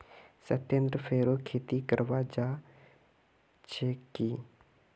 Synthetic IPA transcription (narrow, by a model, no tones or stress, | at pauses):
sət̪ẽːnd̪ɾəpʰeːɾokʰeːt̪ikəɾʋad͡ʒa | t͡ʃʰekiː